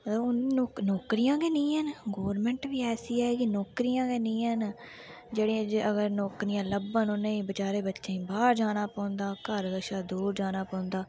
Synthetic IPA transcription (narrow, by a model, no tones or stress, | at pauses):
ʊnːknɔːkɾijãːkeːnĩːɦənɡoːɾmɛ̃ːɳʈʋiːɛːsiːɛːkinɔːkɾijãːɡeːnĩːɦən | d͡ʒeːɽiːd͡ʒəɡəɾnɔːkɾijãːləbənʊnẽːbət͡ʃaːɾeːbətːʃeĩːbaːɾd͡ʒaːnaːpɔ̃ːnd̪aːkəɾɡəʃaːd̪uːɾd͡ʒaːnaːpɔ̃ːnd̪aː